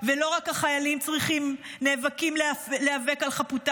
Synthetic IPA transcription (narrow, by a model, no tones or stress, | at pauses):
velo̞ʁakaχajalimt͡sʁiχimneːvakimlealeave̞kalχaputa